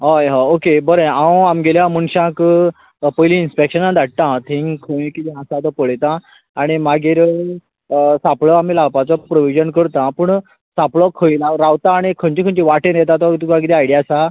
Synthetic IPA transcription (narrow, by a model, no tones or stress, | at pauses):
ɦɔjɦɔ̃okebəɾeawamɡeljãmuɳɕãk | pəjliːnspekɕənad̪aɽ̚t̪ãt̪ʰĩŋkʰəĩkit̪ĩɦãsat̪ɔpəɭjt̪ã | aɽ̃imaɡeɾ | sapɭɔam̤ilawpat͡sɔpɾoʋid͡ʑənkəɾt̪ãpəːɳ | sãpɭɔkʰəĩɾaɾaʋt̪ãːɽ̃ikʰənt͡ɕikʰənt͡ɕiʋaʈẽnjɛt̪̬ãt̪ɔt̪ukãɡit̪iajɽijasa